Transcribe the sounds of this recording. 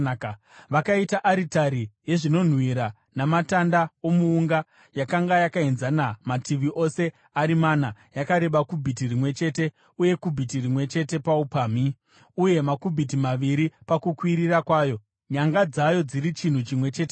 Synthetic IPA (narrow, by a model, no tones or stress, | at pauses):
ʋakaitaʔaɾitaɾije̞ʐino̞n̤wiɾa | namatandao̞muːŋɡa | jakaŋɡajakaenzanamatiʋiʔo̞se̞ | aɾimanajakaɾe̞ɓakubʱit̬irimwe̞t͡ʃe̞ːte̞ | uje̞kubʱitirimwe̞t͡ʃe̞te̞paupaːmi | uje̞makubʱit̬imaʋiɾipakukwiɾirakwaːjo̞ | ɲaŋɡad͡zajo̞d͡ziɾit͡ʃin̤ut͡ʃimwe̞t͡ʃeːt